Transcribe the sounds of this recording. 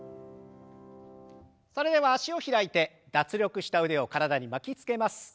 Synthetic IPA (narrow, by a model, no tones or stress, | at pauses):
so̞ɾe̞d̪e̞βaːɕio̞çiɾait̪e̞ | d̪̥at͡sɨɾʲo̞kɯ̟ɕi̥t̪aɯ̟d̪e̞o̞kaɾad̪aɲ̟imakʲit͡sɨ̥ke̞masɨ̥